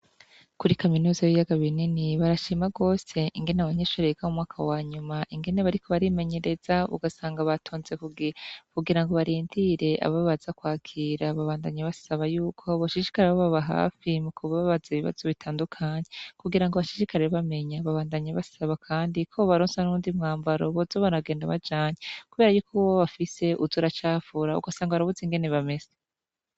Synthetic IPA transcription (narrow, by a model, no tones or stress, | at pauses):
kuɾikaminuːzajijaɡaβininiβaɾaʃiːmaɡo̞ːse̞ʔiŋɡe̞naβaɲeːʃuɾeeɡamumŋaːkʰawaːɲumaʔiŋɡe̞neβaɾiko̞βaɾime̞ɲe̞ɾe̞z̥aβṵɡasaːŋɡaβatʰoːnze̞kuɡikuɡiɾaŋɡo̞βaɾiːndiɾe̞ʔa̰βaβazakwaːkʰiːɾaβaβaːndaɲaβasaβajuːkʰo̞βaʃiʃi̥kaɾeoβaβaɦa̰ːfimukʰuβaββazeβiβa̰z̥o̞βitʰaːndukʰaːɲe̞kuɡiɾaŋɡoβaʃiʃikaɾeβame̞ɲaβaβaːndaɲaβasaβakʰaːndikʰo̞βaɾoːnsanuuːndimŋaːmbaɾoβozoβaɾaɡe̞ːndaβad͡ʒaːɲekuβe̞ːɾajuːkʰowoβafise̞ʔuzoɾat͡ʃaːfuɾaṵɡasaːŋɡaβaɾaβuzeŋɡe̞neβame̞z̥e